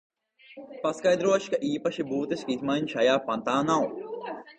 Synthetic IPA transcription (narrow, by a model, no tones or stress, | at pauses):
pɐskɐjd̪ɾoɐʃkɐʔiːpɐʃibuːt̪ɐʃkit̪maːinʃɐjaːpɐnt̪aːnaw